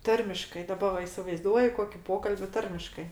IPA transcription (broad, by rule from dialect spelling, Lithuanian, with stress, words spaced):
ˈtɐrʲmʲɪʃkɐɪ dɐˈbɐ ʋɐ ɪsʲɪʋɐɪˈzduɔjʊ ˈkoːkʲɪ ˈpoːkɐlʲbʲɪ ˈtɐrʲmʲɪʃkɐɪ